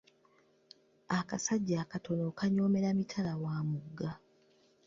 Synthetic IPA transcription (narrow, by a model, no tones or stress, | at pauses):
akasaɟːaːkato̞no̞kaɲo̞ːme̞ɾamitʰalawaːmuɡːa